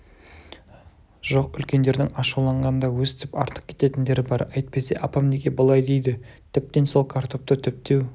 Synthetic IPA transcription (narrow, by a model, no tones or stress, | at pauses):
ʒ̥o̞qʏlkʲe̞nd̪e̞ɾd̪ɪŋɑʃulˠɑɴʁɑnənd̪ɑwɵzt̪ʰʏpɑ̰ɾt̪ʰə̥q̚kʲʰe̥t̪e̞t̪ɪnd̪e̞ɾɪbɑɾɑjt̪̚pe̞se̞̰ʔɑpɑmnekʲe̞bəlˠɑjd̪e̞jd̪ɪt̪ʰɪp̚t̪e̞nso̞lˠkʰaɾt̪ʰo̞p̚t̪ət̪ʰʏp̚t̪e̞w